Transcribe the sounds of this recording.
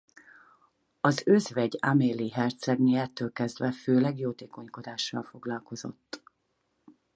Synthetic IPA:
ɒzøzvɛɟameːliɦɛrt̪sɛɡniɛt̪ːøːlkɛzd̪vɛføːlɛɡjoːt̪eːko̞ɲko̞d̪aːʃːɒlfo̞ɡlɒlko̞zo̞̰t̪ː

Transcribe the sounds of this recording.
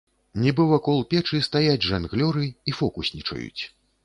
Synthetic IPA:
nʲɛbɨwɐkɔlˠpʲɛt͡ʂɨst̪ajad͡zʲʐanɣlʲɔɾɨifɔkusʲnʲit͡ʂɐ̰jṵt͡sʲ

